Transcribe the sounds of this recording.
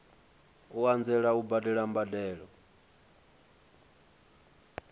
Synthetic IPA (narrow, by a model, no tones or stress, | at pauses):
uand͡zɛɺaubadɛɺambadɛːɺɔ